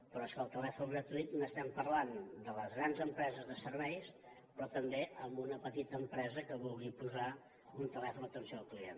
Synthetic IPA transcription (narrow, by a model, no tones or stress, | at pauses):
pɾɔɛskəːlˠt̪əlɛfuŋɡɾət̪uit̪nəst̪ɛmpəɾland̪ələzɣɾanzəmpɾɛzəzðəsəɾβɛjs | pɾɔt̪əmbeəmbunəpət̪it̪əːmpɾɛzəkəβulˠɣipuza | unt̪əlɛfunət̪ənsioəlˠklien